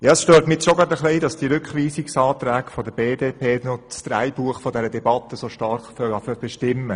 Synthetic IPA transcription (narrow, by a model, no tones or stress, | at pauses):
jɑːəsʃtøːɾtmɪtʃoɡɾɑdəχliːdɑsd̥iɾʏkχʋiːsɪksɑːt̪ɾæːɡfɔd̪əbeːdeːpʰeːnɔsd̥̪ɾæ̰jbuəχfɔd̪ɛɾədɛbɑt̪əsoʃtɑɾχfœlɑfœb̥ɛʃtɪmːə